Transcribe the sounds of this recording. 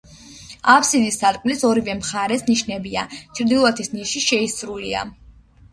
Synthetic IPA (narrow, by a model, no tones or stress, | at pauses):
apʰsid̪isːat̪kʼmlisɔɾivɛmχaɾɛsniʃnɛbia̰t͡ʃʰɾd̪ilˠat̪ʰisniʃiʃɛisɾulia̰